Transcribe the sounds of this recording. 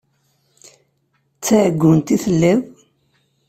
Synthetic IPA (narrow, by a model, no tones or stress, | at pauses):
t͡sːæʕɡʷːʊnt̪iθəlːið